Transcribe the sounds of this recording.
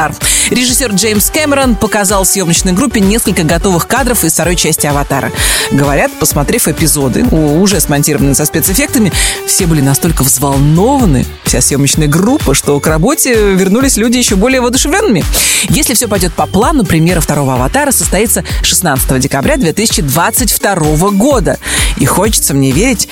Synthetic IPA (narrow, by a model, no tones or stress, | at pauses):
arɾʲɪʐɨsʲːo̞rʐejmskemʲɪɾənpəkazɑlˠfsjo̞mnət͡ɕnəjɡɾupʲːɪnʲe̞skəlʲkəɡɐt̪o̞vɨxkad̪ɾəfɪsft̪ɐɾo̞jt͡ɕæsʲtʲɪɐvɐt̪a̰ɾə̰ɡəvɐɾʲat̪pəsmɐt̪ɾʲefʲɨpʲɪzo̞d̪ɨ̰ʊʐɛsmɐnʲtʲiɾəvənɨjəsəspʲet̪sɨfʲek̚t̪əmʲɪfsʲe̞bɨlʲɪnɐst̪o̞lʲkəvzvalˠno̞vənɨ̰ | fsʲasjo̞mət͡ɕnɨjəɡrupːəʂt̪o̞krɐbo̞tʲɪvʲɪrnulʲɪsʲlʲudʲɪjɪɕːo̞bo̞lʲɪjəvəɐd̪ʊʂɨvlʲonːɨmʲɪjesʲlʲɪfsʲo̞pɐjdʲo̞t̪̚pɐplˠanʊpɾʲɪmʲeɾəft̪ɐɾo̞vəɐvɐt̪aɾəsəst̪ɐit̪səʂɨsnat̪sɨ̥t̪əvədʲɪkɐbɾʲad̪vʲe̞t̪ɨsʲɪ̥t͡ɕɪd̪vat̪sɨtʲft̪ɐɾo̞vəɡo̞d̪əixo̞t͡ɕɪ̥t̪səmnʲevʲeɾʲɪtʲ